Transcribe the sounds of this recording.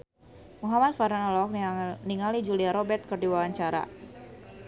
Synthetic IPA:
muɦamat̪̚faɾanɔlɔk̚niŋalid͡ʒuliaɾobɛt̪̚kərdiwawaɲt͡ʃaɾa̰

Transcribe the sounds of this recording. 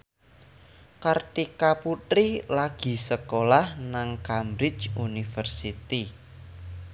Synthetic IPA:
kart̪ikaput̪ɾilaɡ̥i̤səkolahnaŋkamɾɪ̥t͡ʃunifərsit̪i

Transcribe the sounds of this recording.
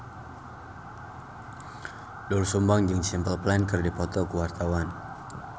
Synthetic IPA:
dɔlsumbaŋd͡ʒɨŋsimpəlplɛnkərdipɔt̪ɔkuwart̪awan

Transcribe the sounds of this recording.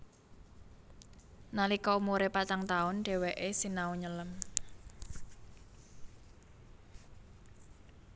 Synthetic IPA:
nalikɔumuɾepat͡ʃaŋt̪aʊnɖ̥e̤weʔesinauɲələm

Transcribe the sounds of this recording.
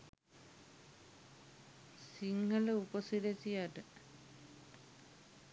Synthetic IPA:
siŋːɐɭupɐsilet͡ɕijaʈɨ

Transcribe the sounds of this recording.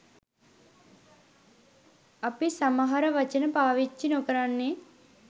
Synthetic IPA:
ɐpisɐmɐɦɐɾɐʋɐt͡ʃinɐpaːʋit͡ʃːinokɐɾanːi

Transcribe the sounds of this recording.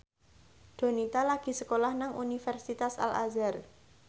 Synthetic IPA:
ɖ̪̥o̤nit̪alaɡ̥i̤səkolahnaŋʔunifɛrsit̪asa̰la̰zar

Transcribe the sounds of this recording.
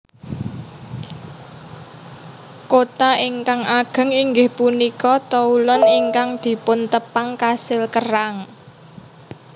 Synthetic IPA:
kot̪aiŋkaŋaɡ̥ə̤ŋiŋɡɪhpunikɔt̪ɔulɔniŋkaŋd̪̥i̤pʊnt̪əpaŋkasɪlkəraŋ

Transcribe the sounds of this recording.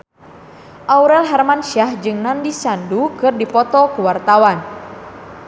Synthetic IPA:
ʔauɾɛlɦɛrmanʃahd͡ʒɨŋnandisandukɨrdipɔt̪ɔkuwart̪awan

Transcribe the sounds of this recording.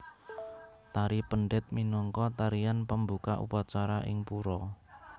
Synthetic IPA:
t̪aɾipəɳɖɪt̪̚minɔŋkɔt̪aɾianpəmbukaʔṵpat͡ʃaɾaʔɪ̰ŋpuɾɔ

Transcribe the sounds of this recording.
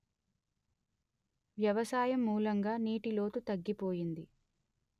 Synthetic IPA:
ʋjɐʋɐsaːjɐmːuːlɐŋɡaːniːʈilo̞ːt̪ut̪ɐɡːipoːjind̪i

